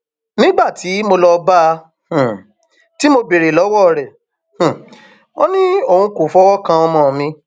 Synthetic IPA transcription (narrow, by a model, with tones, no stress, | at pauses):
nĩ˦ɡ͡ba˦˨tʰi˨˦mo˧lɔ˧bã˦˧˨ | ti˦mo˧be˨ɾe˨lɔ˨˦wɔ˦ɾɛ˨ | h̩˨ | o˦nĩ˦o˦˨hũ˧ko˨fɔ˦wɔ˦kã˧ɔ˧mɔ̃˧˨mĩ˧